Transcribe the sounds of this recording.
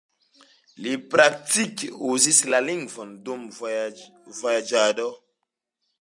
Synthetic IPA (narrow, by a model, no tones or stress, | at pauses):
lipɾak̚tikuzislaliŋɡvɔndum | vojad͡ʒado